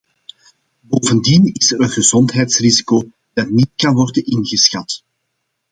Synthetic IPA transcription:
boːvəndinɪsəɾənɣəzɔntɦɛjtsrizikoː | d̥ɑtnit̚kɑnʋɔrdənɪnɣəsxɑt

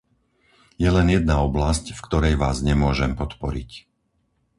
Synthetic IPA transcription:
jɛlɛnjɛd̪̚naɔblascfkt̪ɔɾɛjʋaːzɲɛmʊɔʒɛmpɔt̪pɔɾic

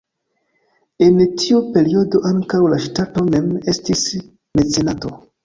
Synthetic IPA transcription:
e̞ntʰiupe̞ɾio̞do̞ʔaŋkawlaʃtato̞me̞me̞stis | met͡se̞nato̞

